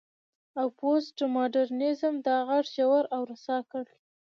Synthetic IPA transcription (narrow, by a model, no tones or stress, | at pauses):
awposʈmoɖaɾnɪzəmd̪ɑɣaʈʒawaɾawɾasɑkəɽ